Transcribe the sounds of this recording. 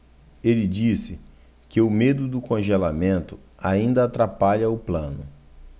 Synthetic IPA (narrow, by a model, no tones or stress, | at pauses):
elɪd͡ʒisɪ | kɪʊmed̪ʊd̪ʊkõʒelamẽnt̪ʊ | aĩnd̪ɐːt̪ɾapaʎɐʊplɐ̃nʊ